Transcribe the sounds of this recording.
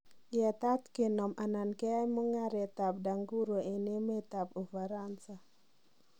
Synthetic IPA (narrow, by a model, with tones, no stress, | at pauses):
jɛ˨t̪a˦t̪ke˨nɔ˨mana˨nke˦a˦jmu˦ŋaɾet̪ap̚da˨ŋɡu˦ɾo˨ʔi˨ne˦me˦t̪apu˨faɾansa